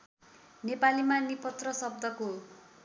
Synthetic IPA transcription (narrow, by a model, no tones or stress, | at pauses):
nepalimanipʌt̪rʌsʌb̚d̪ʱʌko